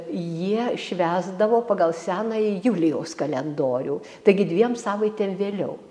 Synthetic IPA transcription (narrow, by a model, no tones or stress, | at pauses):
jiɛʃʲʋʲæːzd̪ɐʋoːpɐɡɐlˠsʲæːnɐɪjuːlʲɪjoːskɐlʲɛnd̪oːɾʲuː | t̪ɐɪɡʲɪd̪ʲʋʲiɛmsɑːʋɐɪt̪ʲeːmʋʲeːlʲɛʊ